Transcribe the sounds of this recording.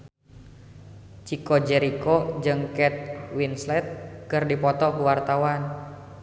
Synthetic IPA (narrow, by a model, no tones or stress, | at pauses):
t͡ʃikod͡ʒɛɾikod͡ʒɨŋkɛt̪̚winslɛt̪̚kɨrdipɔt̪ɔkuwart̪awan